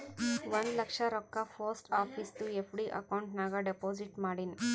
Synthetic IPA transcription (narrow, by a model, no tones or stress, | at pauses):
ʋɐnlɐkʂɐɾɔkːapʰoːsʈaːpʰiːst̪uepʰɖiʔɐ̰kɐwuɳʈnaːɡɐɖepoːd͡ʒiʈmaːɽini